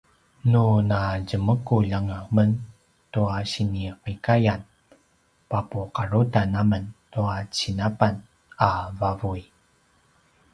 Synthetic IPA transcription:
nunaɟəməkuʎaŋəmən | tuaɕiniqikajan | papuqaɾutanaməntuat͡ɕinapan | avavui

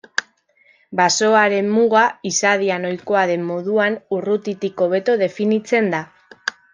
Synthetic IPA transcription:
baso̞aɾe̞mmuɣaisað̞iano̞jko̞aðe̞mːoðuanurut̪it̪iko̞βe̞t̪o̞ð̞e̞finit͡se̞nd̪a

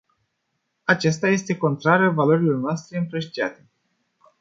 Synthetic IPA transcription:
at͡ʃest̪aje̞st̪e̞ko̞nt̪ɾaɾeəvalo̞ɾilo̞rnoast̪ɾe̞ɨmpɾeʃt̪ia̰t̪e̞

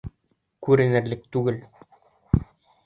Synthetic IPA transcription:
kʉɾɘ̆nɘ̆ɾlɘk̚t̪ʉɡɘl

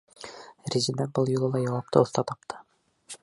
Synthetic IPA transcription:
rʲizilænbɤlˠjŭlˠɤlˠɑjɒwɑp̚t̪ɤŏθt̪ɑt̪ɒp̚t̪ʰɤ̥

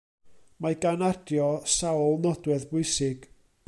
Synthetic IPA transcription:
maɡanadjɔsawlˠnɔdwɛðbʊɨsɪɡ̥

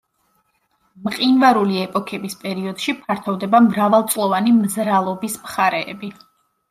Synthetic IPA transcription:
mqʼinvaɾuliɛpʼɔkʰɛbispʼɛɾiɔd̪̥ʃipʰaɾt̪ʰɔvd̪ɛbamɾavalˠt̪sʼlˠɔvanimzɾalˠɔbismχaɾɛːbi

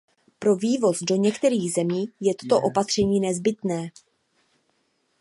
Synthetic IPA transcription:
pɾo̞viːvo̞zdo̞ɲɛkt̪ɛɾiːɣzɛmiːjɛt̪ot̪o̞ʔo̞pat̪r̥ɛɲiːnɛzbɪt̪nɛː

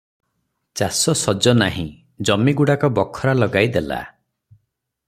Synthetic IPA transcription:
t͡ʃasɔsɔd͡ʒɔnaɦḭ̃ | d͡ʒɔmiɡuɽakɔbɔkʰːɔɾalɔɡajd̪ela̰

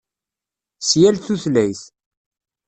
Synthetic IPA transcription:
sjælθuθlæjθ

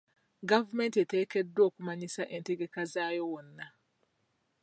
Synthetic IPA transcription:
ɡavumentiete̞ːkedːo̞ːkumaɲisaʔenteɡe̞kazaːjo̞wonːa

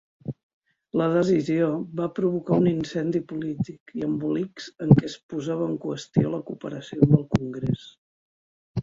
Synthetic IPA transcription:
ləð̞əzizioβapɾuβ̞ukauninsɛnd̪ipulit̪ikiəmbulikz̥əŋkɛspuzaβəːŋkwəst̪ioləkupəɾəsiomb̪əlˠkuŋɡɾes

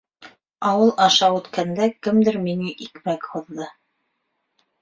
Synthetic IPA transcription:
ɑwɤlˠɑʃɑʉ̆t̪kænd̪ækɘmd̪ɘɾminiʔikmækhŏðːɤ

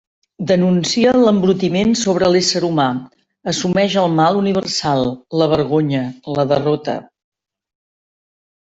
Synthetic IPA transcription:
d̪ənunsiələmbɾut̪imensoβ̞ɾəlesəɾuma | əsumɛʒəlˠmalˠuniβ̞ərsalˠləβ̞əɾɣ̞oɲələðərɔt̪ə̰

